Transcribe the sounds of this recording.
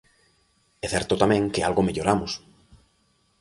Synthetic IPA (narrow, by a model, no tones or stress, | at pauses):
ɛθɛɾt̪ʊt̪amɛ̃ŋkɪalɣomeʎoɾamʊs